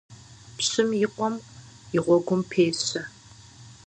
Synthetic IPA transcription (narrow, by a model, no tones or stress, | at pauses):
pɕɨmjɪqʷɔm | ɪʁʷɔɡʷʊmpʰeːɕɐ